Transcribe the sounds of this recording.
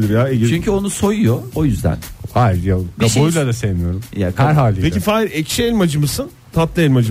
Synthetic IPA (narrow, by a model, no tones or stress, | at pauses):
lʲˠiɾjaːeɟit͡ʃyɲcʰyo̞nuso̞jujoojyzd̪æ̰nhajiɾjakʰabojlˠad̪asejmijo̞ɾumjakʰɾɦaːlʲipecifaːiɾɛcʃɛɛlʲmad͡ʒɯmɯsɯn | t̪ʰat̪lˠaɛlʲmad͡ʒɯ